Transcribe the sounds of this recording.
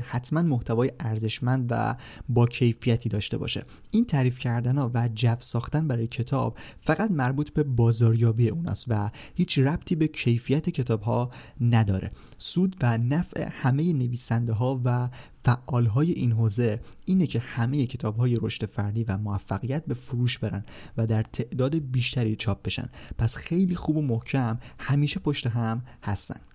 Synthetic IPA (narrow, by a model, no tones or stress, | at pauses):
hæt̪ʰmænmoht̪ʰævɒːjeʔæɾze̞ʃmænd̪væ̰bɒːcʰe̞jfijæt̪ʰiːd̪ɒːʃt̪e̞̰bɒ̰ʃe̞̰ | iːnt̪ʰæːɾiːfcʰæɾd̪ænɒːvæd͡ʒæfsɒːxt̪ænbæɾɒːjecʰe̞t̪ʰɒ̰ːb̥̚fæɣæt̪mæɾbuːt̪ʰbe̞bɒːzɒːɾjɒːbiːjeuːnɒ̰ːst̪væhiːt͡ʃʰræb̥̚t̪ʰiːbe̞cʰe̞jfijæt̪ʰecʰe̞t̪ʰɒːb̥hɒːnæd̪ɒ̰ːɾʔe̞̰ | suːd̪vænæfʔḛhæme̞je̞ne̞viːsænd̪eɦɒːvæfæʔːɒːlɦɒːje̞ʔiːnɦoːze̞iːnecʰe̞hæme̞jecʰe̞t̪ʰɒːbɦɒːje̞ɾoʃt̪efæɾd̪iːvæmoæfːæɣijæt̪̚be̞fuɾuːʃbe̞ɾæ̰nvæd̪æɾt̪ʰe̞ʔd̪ɒːd̪ebiːʃt̪æɾḭt͡ʃʰɒːp̚ʰb̥e̞ʃæ̰npʰæsxe̞jliːxuːbo̞mohcʰæmhæmiːʃe̞pʰoʃt̪e̞ɦæmhæst̪æ̰nd̥̪